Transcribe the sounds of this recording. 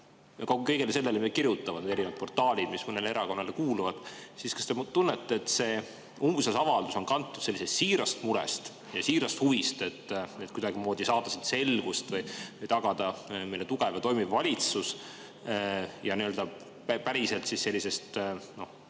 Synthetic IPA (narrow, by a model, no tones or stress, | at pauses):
jɑkoɡukɤ̞jɡelese̞lːelemie̥kirjut̪ːˑɑvɑneɾinvɑd̪̚po̞rt̪ːˑɑːlʲid̪̥mismɤne̞leeɾɑko̞nːɑlekuːluvɑd̪̥siskɑ̥st̪e̞mut̪unːet̪ːeːt̪ːse̞ː | umsesɑvɑld̪̥uso̞nkɑnt̪ːud̪̥se̞lːise̞st̪siːɾɑst̪muɾɛ̰st̪ | jɑsiːɾɑst̪huvist̪e̞t̪ːet̪̚kud̪ɑɡimo̞ːd̪̥isɑːd̪̥ɑsid̪se̞lɡ̥ust̪vɤjvɯjt̪ɑɡ̥ɑd̪̥ɑmejlːet̪uɡ̥evɑt̪o̞jmivːɑlʲit̪sus | jɑniøld̪ɑ | ppæɾise̞lt̪sisːe̞lʲːise̞st̪no̞h